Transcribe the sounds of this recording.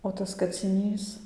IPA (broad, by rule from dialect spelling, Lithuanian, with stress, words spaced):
oː ˈtɐs kɐt͡sʲɪˈnʲiːs